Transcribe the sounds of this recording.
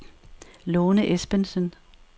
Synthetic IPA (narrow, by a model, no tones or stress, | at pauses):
loːnəʔesb̥ənsən